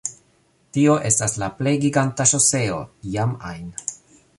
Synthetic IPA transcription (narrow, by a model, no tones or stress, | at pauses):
tio̞ʔe̞staslaple̞jɡiɡantaʃose̞o̞̰jama̰jn